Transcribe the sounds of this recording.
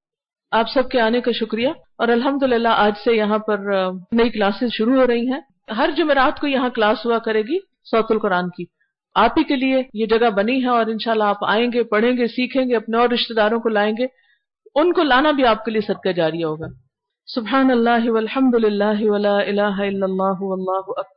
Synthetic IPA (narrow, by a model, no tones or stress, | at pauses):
aːpsɐb̚keaːnekaʃʊkɾija | ɔːɾɐlɦɐmd̪ʊlɪlːaʔaːd͡ʒsejɐɦãpɐɾnɐiklaːsẽʃʊɾuɦoːɾɐɦiɦɛ̃ː | ɦɐɾd͡ʒʊmeɾaːt̪kojɐɦãklaːsɦuakɐɾẽːɡi | sɔːt̪ʊlkʊɾaːnki | aːpikeliejed͡ʒɐɡabɐniɦɛ̃ɔːɾɪnʃaːlːaaːpa̰ːẽːŋɡepɐɽ̤ẽːɡesiːkʰẽːŋɡeɐpneɔːɾɾɪʃt̪ed̪aːɾõkolaːẽːŋɡe | ʊnkolaːnabʱiaːp̚keliesɐd̪̚kad͡ʒaːɾiaɦoːɡaː | sʊbħaːnɐlːaːɦʋɐlħɐmd̪ʊlɪlːaːɦʋɐlaːɪlaːɦaɪlːɐlːaːɦʊʋɐlːaːɦʊɐk̚bɐɾ